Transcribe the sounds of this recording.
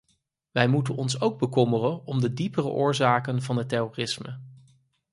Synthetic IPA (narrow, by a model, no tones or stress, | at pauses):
ʋɛjmutənɔnsowɡ̚bəkɔmərənɔmdədipərə̰ʔʊːɹzaːkənvɑnətɛroːrɪsmə